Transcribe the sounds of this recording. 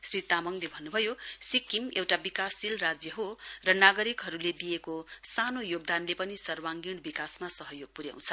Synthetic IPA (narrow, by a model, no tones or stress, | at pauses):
srit̪amʌŋlebʱʌnːubʱʌjosikːimewʈabikasilrad͡zjʌɦorʌnaɡʌɾikɦʌɾuled̪ijekosanojoɡ̚d̪anlepʌnisʌrwaŋɡiɽ̃bikasmasʌɦʌjoɡ̚puɾja̰w̃t͡sʰʌ̥